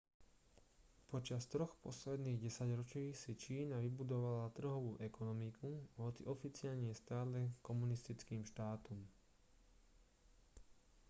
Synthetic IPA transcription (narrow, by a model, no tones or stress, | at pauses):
pɔt͡ʃast̪ɾɔxpɔ̰slɛd̪niːɣɟɛsaɟɾɔt͡ʃiːsit͡ʃiːnaʋibud̪ɔʋalat̪r̩ɦɔʋuːʔɛkɔnɔmikuɦɔt͡sḭʔɔfit͡sɪalɲɛst̪aːlɛkɔmunist̪it͡skiːmʃt̪aːt̪ɔm